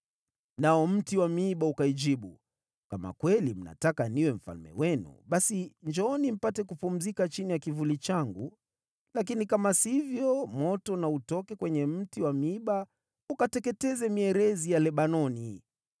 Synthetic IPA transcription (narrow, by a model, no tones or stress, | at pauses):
naɔm̩tiwamiiɓaukaid͡ʒiɓu | kama̰kwɛlim̩na̰takaniwɛm̩fa̰lmɛ̰wɛnṵɓasiɲd͡ʒɔɔnim̩patɛkupum̩zikat͡ʃinijakivulit͡ʃaŋɡu | lak̬inikamasivjɔmɔtɔnautɔkɛkwɛɲɛm̩tiwamiiɓa | ukatɛkɛtɛzɛmiɛɾɛzijalɛɓanɔni